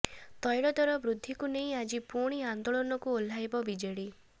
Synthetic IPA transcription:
t̪ɔjɽɔd̪ɔɾɔbɾud̪ʱːikuneĩad͡ʒipuɾɽ̃iand̪oɭɔnɔkuol̤ajbɔbid͡ʒeɽi

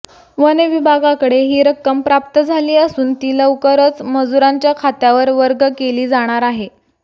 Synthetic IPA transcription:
ʋəneʋibʱaɡakəɽeɦiːɾəkːəmpɾap̚t̪əd͡zʱaliːəsuːnt̪iːləʋkəɾət͡sməd͡zuɾaɲt͡ɕjakʰat̪jaʋəɾʋəɾɡəkeliːd͡zaɽ̃aɾaɦe

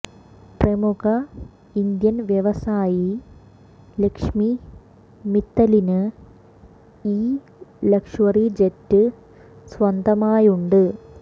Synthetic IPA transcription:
prɐmuɣɐ | ind̪jɐnʋjeʋɐsaːji | lekʂmi | mit̪ːɐlinɨ | iː | lɐkʂwɐrid͡ʑetːɨ | sʋɐnd̪ʱɐmaːjuɳɖɨ

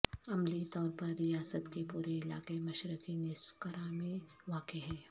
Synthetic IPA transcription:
ɐmlit̪ɔːɾpɐɾːijaːsət̪kepuːɾeɪla̰ːkemɐʃɾɪkinɪswkɐɾamẽʋaːkeɦɛː

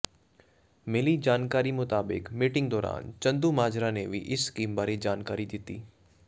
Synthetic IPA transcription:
meːlid͡ʒaːnkaːɾimʊt̪aːbɪ̰kmiːʈɪ̃ŋɡd̪ɔːɾa̰ːnt͡ʃɐ̃nd̪umaːd͡ʒɾaneʋʱḭʔɪskiːmbaːɾed͡ʒaːnkaːɾid̪ɪt̪iː

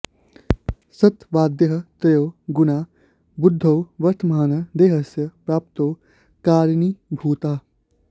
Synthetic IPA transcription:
sɐt̪ʋaːd̪jəɦɐ̆t̪ɾɐjowɡunaː | bud̪ʱːɐwʋɐɾt̪ʰmaːnɐd̪eːɦɐsjɐpɾaːp̚t̪ow | kaːɾnibʱuːt̪aː

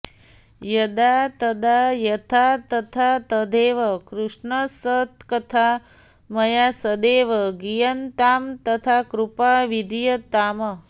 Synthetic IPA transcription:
jɐd̪aːt̪ɐd̪aːjɐt̪ʰat̪ɐt̪ʰaːt̪ɐd̪eːʋɐkɾuʂɳɐsɐt̪kɐt̪ʰa | mɐjaːsɐd̪eːʋɐɡijɐnt̪aːmt̪ɐt̪ʰaːkɾupaːʋid̪ʱijɐt̪aːmɐ

